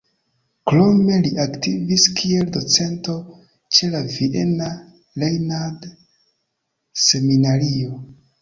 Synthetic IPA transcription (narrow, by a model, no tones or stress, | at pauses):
klo̞me̞liʔaktiviskʰie̞ldo̞t͡se̞nto̞ | t͡ʃe̞laviʔena | lejnad | se̞minaɾio